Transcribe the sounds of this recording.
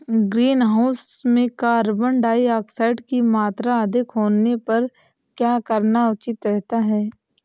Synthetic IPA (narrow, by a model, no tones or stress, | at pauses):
ɡɾiːnɦaʊsmẽkaɐɾbəɳɖaːiaːksaːɪɖkimaːt̪ɾaəd̪ɪkɦoːnepɐɾ | kjaːkəɾnaʊt͡ʃɪt̪ɾɛɦt̪aɦɛː